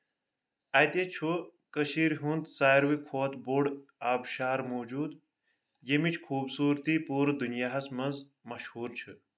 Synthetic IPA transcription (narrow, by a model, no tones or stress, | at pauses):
ɐjt̪et͡ʃʰukəʃiːɾɦunt̪saːɾʋikʰoːt̪boɖaːbʃaːɾmoːd͡ʒuːd̪ | jemit͡ʃʰkʰuːbsuːɾt̪ipuːɾd̪unjaːɦɐsmɐnz | mɐʃhuːɾt͡ʃʰɨ